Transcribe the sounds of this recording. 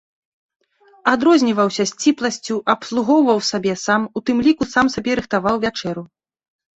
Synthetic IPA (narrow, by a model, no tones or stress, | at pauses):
ad̪ɾɔzʲnʲivɐwsʲɐsʲt͡sʲiplˠɐsʲt͡sʲuʔɐpslˠuɣɔwvɐwsabʲɛsamut̪ɨmlʲikusamsabʲɛɾɨxt̪avawvʲat͡ʂɛɾu